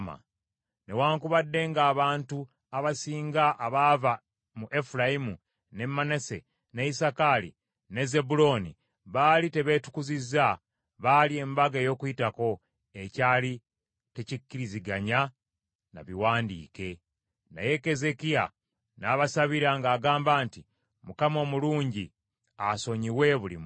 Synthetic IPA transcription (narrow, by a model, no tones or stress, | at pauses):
ma̰ | ne̞waːŋkuβadːe̞ŋɡaːβaːntu | aβasiːŋɡaʔaβaːva | muʔe̞fulajimu | ne̞mːanese̞̰ | neisakalḭ | neze̞bulo̞nḭ | βaːlite̞βe̞ːtu̥kuziza | βalie̞mbaɡejo̞ːkuitako̞ | e̞caːli | tecikːiɾiziɡaɲa | na̰βiwaːndḭːke̞ | na̰je̞ke̞ze̞kija | naβasaβiɾaŋɡaːɡaːmbaːnti | mukamo̞ːmuluːɲɟi | aso̞ɲiwe̞βulḭm